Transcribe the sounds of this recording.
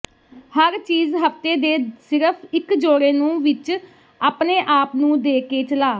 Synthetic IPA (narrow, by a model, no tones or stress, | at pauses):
həɾt͡ʃiːzɦəpt̪eːd̪eːsɪɾəpʰɪkd͡ʒoːɾeːnũːʋɪt͡ʃ | aːpneːʔaːpnũːd̪eːkeːt͡ʃəlaː